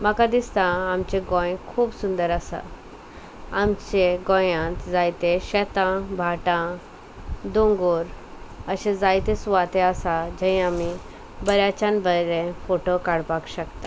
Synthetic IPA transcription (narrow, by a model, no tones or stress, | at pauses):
makad̪ist̪ãːmt͡ɕẽɡõjkʰuːbsund̪əɾasa̰ | amt͡ɕeɡõjãt̪d͡zajt̪eɕɛt̪ãbʱaʈã | d̪õŋɡuɾəɕẽd͡zajt̪esuʋat̪easad͡ʑãĩami | bəɾjat͡ɕãnbəɾẽfoʈokaɽpakɕəkt̪a